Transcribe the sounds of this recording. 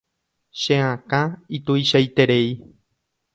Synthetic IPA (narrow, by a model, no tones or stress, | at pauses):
ʃẽãkãit̪uiʃajt̪eɾei